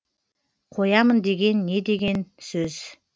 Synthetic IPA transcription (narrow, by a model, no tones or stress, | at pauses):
qʰo̞jɑmənd̪e̞ɡʲe̞nːe̞d̪e̞ɡʲe̞nsɵz̥